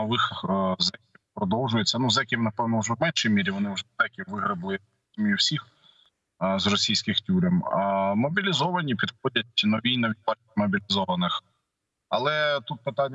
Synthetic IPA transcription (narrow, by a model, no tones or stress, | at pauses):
ɔʋɪxzɛkʲiwpɾɔd̪ɔwʒʊjet͡sʲːɐnuzɛkʲiwnɐpɛwnɔwʒɛwmɛnʃijmʲiɾʲiʋɔnɪwʒɛzɛkʲiwʋɪɦɾɪblˠɪj̪ | mʲijuwsʲix | zrɔsʲijsʲkɪxtʲuɾʲɛmmɔbʲilʲizɔʋɐnʲipʲid̪xɔdʲɐt̚ʲnɔʋʲijnɐʋʲid̪̚ʲbɑt͡ʃʲmɔbʲilʲizɔʋɐnɪx | ɐ̰lˠɛt̪ut̪̚pɪt̪ɑnʲː